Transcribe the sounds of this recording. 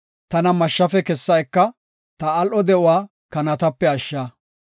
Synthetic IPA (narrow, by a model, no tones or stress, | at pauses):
t̪ɐnɐmɐʃːɐfɛkɛsːɐɛkːɐ | t̪ɐːlʔɔd̪ɛʔʊwaː | kɐnɐt̪ɐpːɛɐʃːaː